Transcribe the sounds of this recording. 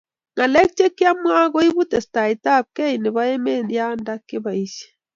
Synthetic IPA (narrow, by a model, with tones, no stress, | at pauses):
ŋa˨lɛ˦k̚t͡ʃe˦kːja˦mwa˦ɡɔ˦i˦bu˦tɛ˨sta˨i˨ta˦˨p̚kɛ˦i˨nɪ˨ba˦e˦me˦˨dja˦nda˦kːɪ˦ba˨i˦se̥˦